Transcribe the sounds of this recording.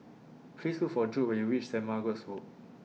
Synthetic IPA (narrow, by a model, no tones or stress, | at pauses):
pʰlislukfɔd͡ʒuʔ̚wɛ̃njuwit͡ʃsɛ̃maɡɔshoʔ